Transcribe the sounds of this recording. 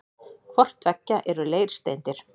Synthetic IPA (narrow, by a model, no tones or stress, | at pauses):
kʰvɔr̥t̪vɛcːaʔɛɾʏleːjɾ̥st̪ejnt̪ɪɾ̥